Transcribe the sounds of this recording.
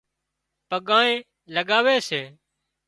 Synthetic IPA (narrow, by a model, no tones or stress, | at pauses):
pəɠãːẽː | ləɠaːʋeːseː